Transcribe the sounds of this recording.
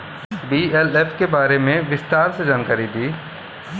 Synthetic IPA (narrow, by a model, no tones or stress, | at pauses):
biːelefkebaːɾemẽʋɪst̪aːɾsed͡ʒaːnkaːɾid̪iː